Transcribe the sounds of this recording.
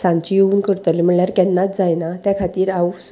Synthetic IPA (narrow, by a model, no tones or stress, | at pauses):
sãɲt͡ɕijeuːnkəɾt̪əlim̤əɳɭjaɾkɛnːat̪̚d͡zajnat̪jakʰat̪iːɾaw